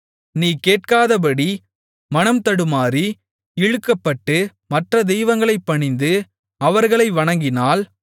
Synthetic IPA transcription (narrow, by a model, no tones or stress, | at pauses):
niːkeːʈ̚kaːðɐp̬ɐɽi | mɐnɐmt̪ɐɽɯmaːɾi | ɪɻɯkːɐpːɐʈːɯ | mɐʈrɐd̪ɛjʋɐŋɡɐɭɐɪpːɐɳɪnd̪ɯ | ɐʋɐɾɣɐɭɐɪʋɐɳɐŋɡɪnaːl